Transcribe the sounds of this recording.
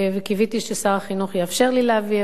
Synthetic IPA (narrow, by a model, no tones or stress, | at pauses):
vekivit̪iʃesaʁaχinuχjeafʃeʁlileavi